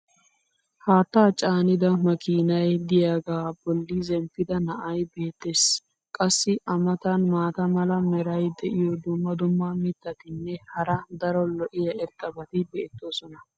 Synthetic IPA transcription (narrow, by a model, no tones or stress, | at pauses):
haːt̪ːaːt͡ʃʼaːnɪd̪ɐmɐkiːnɐjd̪ɪjaːɡaːb̥ɔlːɪzɛmpɪd̪ɐnɐʔɐjbe̞ːt̪ːeːs | kʼɐsːɪʔɐmɐt̪ɐnmaːt̪ɐmɐlɐmɛɾɐjd̪ɛʔɪjɔd̪ʊmːɐd̪ʊmːɐmɪt̪ːɐt̪ɪnːɛhɐɾɐd̪ɐɾɔlɔʔɪjɐɛɾt̪ʼɐbɐt̪ɪbɛʔɛt̪ːo̞ːsɔnɐ